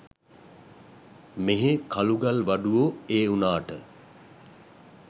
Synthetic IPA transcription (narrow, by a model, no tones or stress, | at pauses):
meɦekʰaluɡalʋaɖuʋoeːunaːʈə